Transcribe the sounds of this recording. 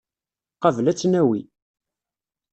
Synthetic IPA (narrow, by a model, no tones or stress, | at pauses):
qɑvlæt͡sːnæwḭ